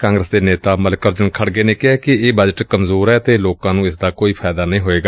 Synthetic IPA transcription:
kãːŋɡɾəsd̪eːneːt̪aːməlkəɾd͡ʒənkʰəɽɡeːneːkɪɛːkɪeːbəd͡ʒəʈkəmzoːɾɛːət̪eːloːkãːnũːɪsd̪aːkoːiːpʰaːd̪aːnəĩːɦoːeːɡaː

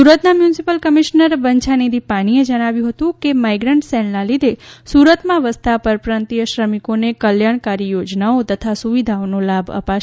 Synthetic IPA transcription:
suɾət̪namjunsipəlkəmiʃnəɾbəɲt͡ʃʰaned̪ʱipañied͡ʒəɽ̃aʋjũɦət̪ũkemaijɡɾəɳʈsɛlnãlid̪ʱesuɾət̪mãʋəst̪ʰapəɾpɾant̪ijəʃɾəmikonekəljaɽ̃kaɾijod͡ʒnaot̪ət̪ʰasuʋid̪ʱaonolabə̰paʃ

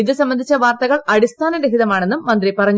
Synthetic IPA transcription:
iðɨsɐmbɐnd̪ʱit͡ɕːɐʋaːrt̪ɐɣɐɭɐɽist̪ʰaːnɐndeɦiðɐmaːɳe̞nːumːɐnd̪ripɐrɐɲː

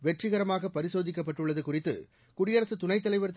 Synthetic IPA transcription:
ʋɛʈrɪɣɐɾɐmaːɣɐpɐɾɪsoːðɪk̬ʲːɐpːɐʈːɯɭːɐðɯkʊrɪt̪ːɯ̰ | kʊɽɪjɐɾɐsɯt̪ʊnɐɪt̪ːɐlɐɪʋɐɾt̪

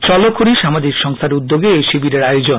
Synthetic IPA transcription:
t͡ɕɔlokʰoɾiʃamad͡ʑikʃɔŋst̪ʰaɾud̪ːoɡeejʃibiɾeɾajod͡ʑon

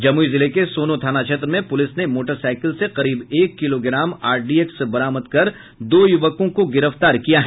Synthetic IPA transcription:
d͡ʒɐmuizɪlekesoːnot̪ʰaːnaʃʰɐt̪ɾmẽpʊlɪsnemoːʈəɾsaːɪkəlseqɐɾiːbeːkːɪloɡɪɾaːmaːɾɖiːeksbɐɾaːməd̪kɐɾ | d̪oːjʊʋəkõkoɡɪɾəft̪aːɾkijaɦɛ

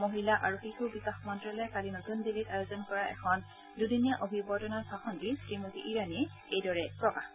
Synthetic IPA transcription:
moɦilaʔaɹuxixubikaxmɔntɹalɔjkalinotundilitajozɔnkɔɹaʔɛ̰kʰɔn | dudinijaʔobʱibɔtɔnaɹsaxɔndisɹimotiʔiɹani | ejdɔɹɛpɹɔkax

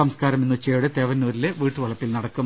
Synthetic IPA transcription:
ɐmskaːɾɐmenːut͡ɕːeːɽɨt̪eːʋɐnːuːɾile̞ʋiːʈːɨʋɐɭɐpːilnɐɽɐkːum

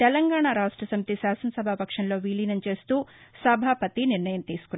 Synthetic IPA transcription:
t̪ɛlɐŋɡaːɳaɾaːʂʈɾɐsɐmɐt̪isaːsɐnɐsɐbʱapɐkʂɐnlo̞ːʋiːliːnɐnt͡ʃe̞ːst̪uːsɐbʱaːpɐt̪iniɾɳɐjɐmt̪iːsu̥kun

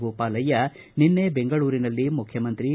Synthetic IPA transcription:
ɡoːpaːlɐjɐ | ninːebeŋɡɐɭuːɾinɐlːimukʰjɐmɐnt̪ɾi

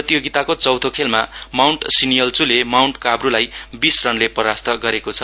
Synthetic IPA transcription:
rʌt̪ijoɡit̪akot͡sʌwt̪ʰokʰelmamawɳʈsinijʌlt͡sulemawɳʈkabrulajbisrʌnlepʌɾast̪ʌɡʌɾekot͡sʰʌ

